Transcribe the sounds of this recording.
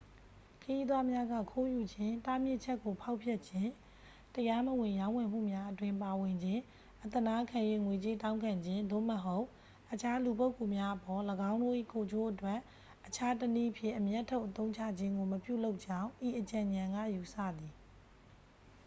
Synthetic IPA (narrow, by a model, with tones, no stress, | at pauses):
kʰəji˦d̪wa˦mja˦ɡa̰˦˨kʰo˦ju˨d͡ʑɪ̃˦ta˦mjɪ˦ʔt͡ɕʰɛ˦ʔkːo˨pʰa˦ʊpʰjɛ˦ʔt͡ɕʰɪ̃˦˨ | təja˦məwɪ̃˨jã˦ʊ̃wɛ̃˨m̥ṵ˦˨mja˦ʔətwɪ̃˦mpa˨wɪ̃˨ɲd͡ʑɪ̃˦ | ʔət̪ə˨na˦kʰã˨jwe˦˨ŋwe˨t͡ɕe˦tã˦ʊ̃ŋkʰã˨ɲd͡ʑɪ̃˦nd̪o̰˦˨məɦo˦ʊʔ | ʔət͡ɕʰa˦lu˨po˦ʊkːu˨mja˦ʔəpɔ˨ləɡã˦ʊ̃ndo̰˦˨ʔḭ˦˨kʰo˨d͡ʑo˦ʔətwɛ˦ʔ | ʔːət͡ɕʰa˦təni˦˨pʰjɪ̰̃˦˨ʔəmjaɛ˦ʔtʰːo˦ʊʔət̪õ˦ʊ̃t͡ɕʰä̰˦˨d͡ʑɪ̃˦ŋɡo˨məpjṵ˦˨lo˦ʊʔt͡ɕã˦ʊ̃ʔi˨ʔət͡ɕã˨ɲã˨ŋɡa̰˦˨ju˨sä̰˦˨d̪i˨